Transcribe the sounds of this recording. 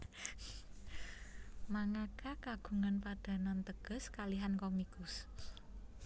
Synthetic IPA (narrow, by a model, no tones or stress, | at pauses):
maŋakakaɡ̥ṳŋanpaɖ̥a̤nant̪əɡ̥ʊ̤skaliɦankɔmikʊs